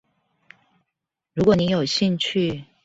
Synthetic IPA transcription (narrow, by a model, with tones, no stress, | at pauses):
ɻu˧˥kwɔ˨˩˦ni˧˥jo˨˩ʊɕi˥˧ŋt͡ɕʰy˥˨